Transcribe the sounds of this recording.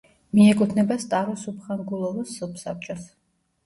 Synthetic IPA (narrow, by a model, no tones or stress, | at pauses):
miɛkʼut̪ʰnɛbast̪ʼaɾɔsupʰχaŋɡulˠɔvɔsɔpsap̚t͡ʃʼɔs